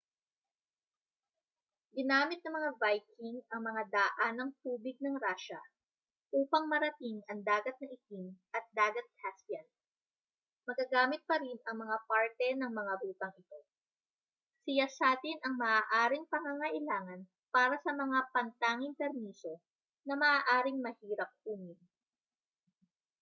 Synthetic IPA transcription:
ɡɪnaːmɪt̪̚nɐmɐŋavajkɪŋɐŋmɐŋad̪aːʔanɐŋt̪uːbɪɡ̚nɐŋɾaːʃɐ | ʔuːpɐŋmɐɾɐt̪ɪŋʔɐŋd̪aːɡɐt̪̚nɐʔɪk̪ɪŋʔɐt̪̚d̪aːɡɐt̪̚kʰasjɐn | mɐɡ̚kɐɡaːmɪt̪̚pɐɾinɐŋmɐŋapaɹt̪ɛnɐŋmɐŋabuːt̪ɐŋɪt̪o̞ | sɪjasaːt̪ɪnɐŋmɐʔaːʔaːɾɪŋpɐŋaŋɐʔɪlaːŋɐn | paːɾɐsɐmɐŋapɐnt̪aːŋɪŋpɛɾmiːso̞ | nɐmɐʔaːʔaːɾɪŋmɐhiːɾɐp̚ʔuːmɪn

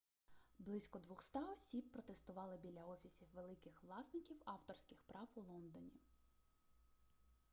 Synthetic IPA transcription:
blˠɪsʲkɔd̪ʋɔxst̪ɑɔsʲibːɾɔt̪est̪ʊʋɑlˠɪbʲilʲːɐɔfʲisʲiwʋelˠɪkɪxʋlˠɑsnɪkʲiwɑwt̪ɔrsʲkɪxpɾɑwulˠɔnd̪ɔnʲi

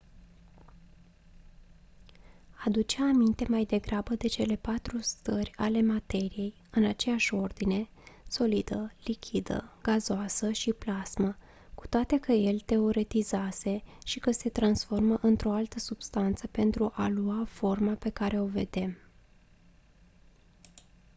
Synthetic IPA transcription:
ad̪ut͡ʃeaːmint̪e̞majd̪e̞ɡɾabəd̪e̞t͡ʃe̞le̞pat̪ɾust̪ərʲale̞mat̪e̞ɾije̞j | ɨnat͡ʃe̞jaʃʲo̞rd̪ine̞ | so̞lid̪əlikʲʰid̪ə̰ɡ̥azoasəʃiplazmə | ku̥t̪oat̪e̞kəje̞lt̪e̞o̞ɾe̞t̪izase̞ʃikəse̞t̪ɾansfo̞rməʔɨnt̪ɾo̞alt̪əsub̥st̪ant̪səpe̞nt̪ɾuʔaluafo̞rmape̞kaɾe̞o̞ve̞d̪e̞m

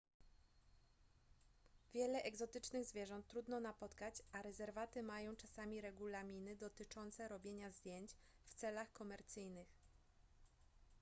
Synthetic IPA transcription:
vʲjɛlɛʔɛɡzɔt̪ɘt͡ʂnɘɣzvʲjɛʐɔnt̪ːɾud̪nɔnapɔt̪kat͡ɕʔaɾɛzɛɾvat̪ɘmajɔ̃w̃t͡ʂasamʲiɾɛɡulamʲinɘd̪ɔt̪ɘt͡ʂɔnt̪sɛɾɔbʲjeɲazd̪ʲjeɲt͡ɕ | ft̪sɛlaxkɔmɛɾt̪sɘjnɘx

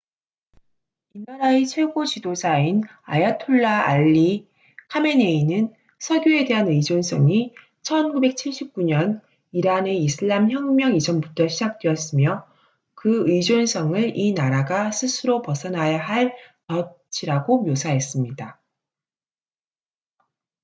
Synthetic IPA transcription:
inaɾait͡ɕʰwe̞ɡot͡ɕidosʰain | a̰jatʰoɭːaa̰ʎːi | kʰame̞ne̞inɯn | sʰʌɡjoe̞de̞ɦanɯid͡ʑons͈ʰʌŋi | t͡ɕʰʌnɡube̞k̚t͡ɕʰiɭɕ͈ʰip̚k͈uɲʌn | iɾane̞isʰɯɭːamçjʌŋmjʌŋid͡ʑʰʌnbutʰʌɕʰid͡ʑak̚t͈we̞jʌs͈ɯmjʌ | kɯɯid͡ʑons͈ʰʌŋɯɾinaɾaɡasʰɯsʰɯɾopʌsʰʌnajaɦaɭtʌt͡ɕʰiɾaɡomjosʰaɦe̞s͈ɯmɲida

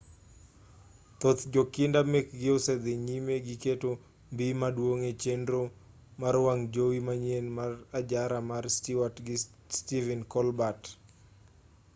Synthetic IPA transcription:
t̪ot̪d͡ʒokɪndamek̚ɡɪosɛd̪eɲimeɡɪketo | mbimadwoŋet͡ʃendɾo | maɾwaŋd͡ʒowimaɲenmarad͡ʒaɾamarstɪwatɡɪ | stivɛnkɔlbat

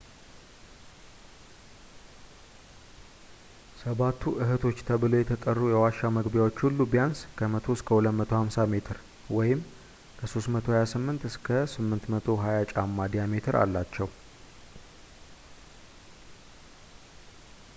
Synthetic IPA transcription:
səβat̪ʰːuʔɨɦɨt̪ʰo̞t͡ʃːt̪ʰəβɨlo̞jɛt̪ʰət̪ʼərːujɛwaʃaməɡbjawo̞t͡ʃːhulːubijanskʰəmət̪ʰo̞ɨskʰəhulət̪mət̪ʰo̞hamsame̞t̪ʰɨɾ | wɔjɪm | kʰəso̞st̪mət̪ʰo̞hajasɨmːɨnt̪ɨskʰəsɨmːɨnt̪mət̪ʰo̞ɦajat͡ʃʼamːad̪ijame̞t̪ʰɨɾa̰lːat͡ʃːɛw

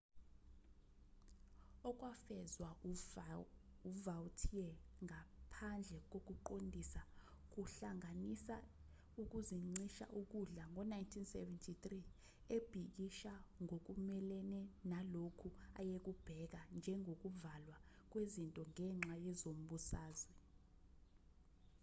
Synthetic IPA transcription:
ɔk̬wafɛzwa | uvawtʰiɛŋapʰand͡ɮʱɛk̬ok̬ʼuǃondʱisa | k̬uɬaŋanisa | uk̬uziŋ͡ǀiʃa̰ʔuk̬uɮaŋɔnajntʰinsɛ̰vɛntʰit̪ri | eb̥ʱik̬iʃaŋok̬umɛlɛnɛnalokʰua̰jek̬ub̥ʱɛk̬and͡ʒʱɛŋʱok̬uvalwa | k̬wezintʼɔŋɛŋ͡ǁʱajɛzom̩ɓusaːzwɛ

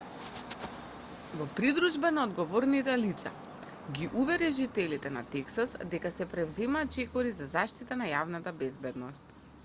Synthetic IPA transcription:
vɔpɾid̪ɾuʒbanaod̪ɡɔvɔɾnit̪ɛlit̪sa̰ | ɡiʔuvɛɾɛʒit̪ɛlit̪ɛna̰t̪ɛksasd̪ɛkasɛpɾɛvzɛmaːt̪̚t͡ʃɛkɔɾizazaʃt̪it̪anajavnat̪abɛzbɛd̪nɔst̪

